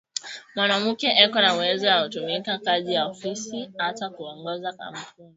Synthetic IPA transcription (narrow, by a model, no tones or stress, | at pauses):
mwanam̩kɛʔɛkɔnawɛzɔwautumikakazijaɔfisiatakuɔŋɡɔzaka̰m̩pu